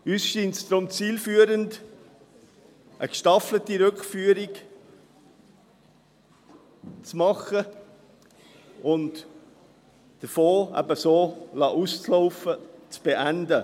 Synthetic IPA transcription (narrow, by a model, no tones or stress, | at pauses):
yːsʃiːntsd̥ɾʊmt͡siːlfyːəɾənd | ʔəkʃtɑflətiɾʏkfyːəɾɪk | t͡smɑχə | ʊnt | d̥əfoːæ̰bəsoːlɑːʔust͡sloʊfət͡sb̥eʔændə